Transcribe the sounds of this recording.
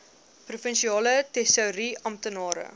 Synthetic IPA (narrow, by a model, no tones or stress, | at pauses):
prufənʃiɑːlətɛsəwɾiɐmtənɑːɾə̰